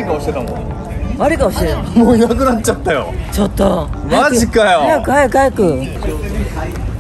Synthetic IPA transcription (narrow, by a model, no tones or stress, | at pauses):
ikaoɕi̥t̪et̪amo | maɾʲikaoɕiet̪amoːinakɯ̟natːt͡ɕat̪ːajo̰t͡ɕot̪ːommaʑikajoajakkɯ̟hajakɯ̟hajakɯ̟